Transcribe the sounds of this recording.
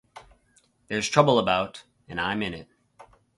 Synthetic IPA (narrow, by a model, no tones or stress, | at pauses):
ðə˞z̥tʰɹ̥ʌbl̩ˠəbaʊɾ | ɨ̃nãɪ̃mɨ̃nɪt̚